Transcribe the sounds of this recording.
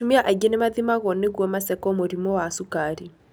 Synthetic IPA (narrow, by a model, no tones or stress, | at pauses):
umiaʔaiɡenemaðimaɣɔneɣwɔmasɛkɔmoɾimɔwasukaɾi